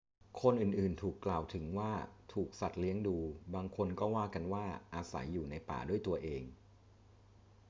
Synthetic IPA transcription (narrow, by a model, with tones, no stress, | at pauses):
kʰo˧nʔɯː˨˩nʔɯː˨˩nt̪ʰuː˨˩kːlaː˨˩wt̪ʰɯ˩˦ŋwaː˥˩t̪ʰuː˨˩k̚sa˨˩t̪̚li˦˥əŋduː˧baː˧ŋkʰo˧nkɔː˥˩waː˥˩ka˧nwaː˥˩ʔaː˧sa̰˩˦jːuː˨˩na˧jpa̰ː˨˩du˥˩əjt̪u˧ɐʔeː˧ŋ